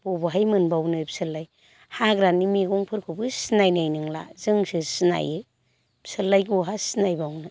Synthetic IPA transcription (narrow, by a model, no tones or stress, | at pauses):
bobɯɦajmɯnbawnɯbsɯlːaj | haɡɾanimiɡɔŋpʰɯɾkʰɯbɯsinajnajnɯŋla̰zɯŋsɯsina̰jɯ | psɯlːajɡuɦasinajbawnɯ